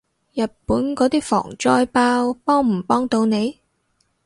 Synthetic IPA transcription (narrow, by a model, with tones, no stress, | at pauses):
jɐ˨t̚puː˨˥nkɔː˨˥t̪iː˥fɔ̰ː˨˩ŋt͡ʃɔː˥jpaː˥wpɔː˥ŋm̩˨˩pɔː˥ŋt̪o˧wne˨˧j